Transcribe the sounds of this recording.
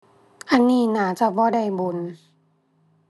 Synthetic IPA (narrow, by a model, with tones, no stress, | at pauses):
ʔa˧˨nːiː˧˩˨naː˩˦t͡ɕa˧˩bɔː˧˦da˧˩jbu˨n